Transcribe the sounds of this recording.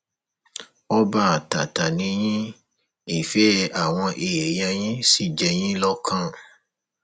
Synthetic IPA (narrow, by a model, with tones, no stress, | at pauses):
ɔ˦ba˦a˨ta˨ta˨nĩ˨˦j̃ĩ˦ | i˦˨fɛ˦a˨w̃ɔ̃˧ʔe˨e˨jã˧j̃ĩ˦si˦˨d͡ʒɛ˧j̃ĩ˦lɔ˦kʰã˦˨